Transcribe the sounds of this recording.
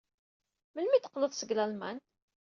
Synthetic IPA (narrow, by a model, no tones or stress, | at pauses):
məlmit̪ə̥qːloθˤsəɡlælmæ̰n